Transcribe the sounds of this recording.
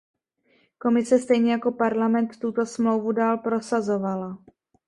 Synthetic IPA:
ko̞mɪsɛst̪ɛjɲɛjako̞paɾlamɛnt̪ːut̪o̞smlo̞wvudaːlpɾo̞sazo̞vala

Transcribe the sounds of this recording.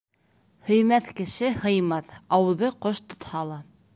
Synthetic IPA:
hɵ̆jmæθkɘ̆ʃɘhɤ̆jmɑθɑwɤ̆ðɤqoʃt̪ŏt̪hɑlˠɑ

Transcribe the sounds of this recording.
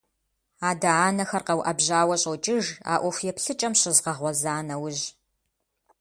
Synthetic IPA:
aːdɐaːnɐxɐrqɐwʔɐbʑaːwɐɕʼowt͡ʃʼɪʒa̰ːʔʷɔfjɛpɬɨt͡ʃʼɐmɕɪzʁɐʁʷɔzaːnɐwʊʑ

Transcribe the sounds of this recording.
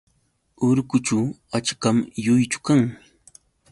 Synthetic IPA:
ʊɾkʊt͡ʃaw | at͡ʃkamjʊjt͡ʃʊ̥kaŋ

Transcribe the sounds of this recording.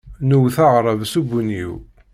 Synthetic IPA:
nuwθɑʁɾˤəvsubunḭw

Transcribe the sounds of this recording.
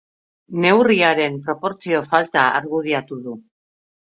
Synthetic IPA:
ne̞wriaɾe̞mpɾo̞po̞ɾt͡sio̞falt̪aa̰ɾɣuð̞iat̪uðu

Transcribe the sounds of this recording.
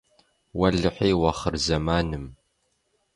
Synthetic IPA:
wɐɮɨħiːwɐχərzɐmaːnɨm

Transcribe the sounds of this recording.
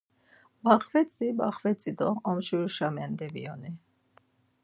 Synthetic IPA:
baχvɛt͡sʼibaχvɛt͡sʼid̪ɔɔmʃuɾuʃamɛnd̪ɛvḭɔni

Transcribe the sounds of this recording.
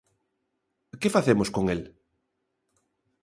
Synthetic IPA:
kefaθemʊskoŋel

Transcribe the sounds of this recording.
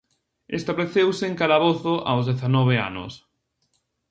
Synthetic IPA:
ḛst̪aβleθewseŋkalaβoθʊʔa̰wzðeθanɔβ̞ea̰nʊ̰s

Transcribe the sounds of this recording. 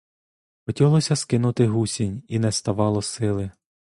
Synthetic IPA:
pɔtʲiɦlˠɔsʲɐskɪnʊt̪ɪɦusʲinʲinɛst̪ɐʋɑlˠɔsɪlˠɪ

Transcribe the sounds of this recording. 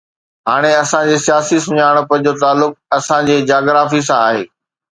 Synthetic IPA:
ɦaːɽ̃eɐsãd͡ʑeːsijaːsis̬ʊɲaːɽ̃̆pɐ̃ɪ̃d͡ʑot̪aːlːʊk̚ɐsãd͡ʑeːd͡ʑaːɡɾaːfis̬ãaːɦeː

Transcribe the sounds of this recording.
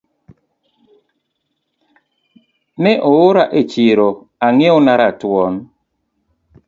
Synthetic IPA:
neʔooɾaʔet͡ʃiɾo | aŋionaɾatwɔn

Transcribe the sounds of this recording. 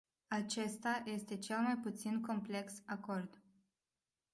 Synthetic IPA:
at͡ʃe̞st̪ajʔe̞st̪e̞t͡ʃe̞lmajput̪sinko̞mple̞ksako̞rd̪

